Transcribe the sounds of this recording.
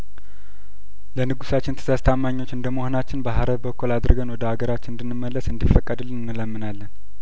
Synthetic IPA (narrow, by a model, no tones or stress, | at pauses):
lənɨɡusat͡ʃːɪnt̪ʰə̥sast̪ʰamːaɲːo̞t͡ʃːɨnd̪əmohonat͡ʃːɪnbəɦaɾəβbəkːulad̪ɨɾɡənwɔd̪əaɡəɾat͡ʃːɪnɨnd̪ɨnːɨmːəlːəsɨnd̪ifəkʼːəd̪ɨlnːɨləmːɨnalːən